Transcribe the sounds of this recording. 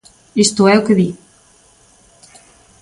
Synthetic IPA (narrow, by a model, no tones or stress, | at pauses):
ist̪ʊɛʊkeði